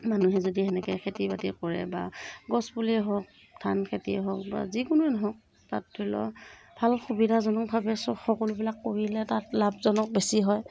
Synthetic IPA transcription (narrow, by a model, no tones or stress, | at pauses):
manuɦɛzodiɛnɛkɛkʰetibatikɔɹɛ̰ba̰ɡɔsbuliɦɔk̚ | tʰankʰetiɛɦɔk̚ba̰zikʊnʊɛnɔɦɔk̚ | ta̰tʰːɔlɔ̰bʱalxubidʱazɔnɔkbʱabɛsɔxɔkɔlʊbilakːoɹilɛtatlab̚zɔnɔk̚besiɦɔj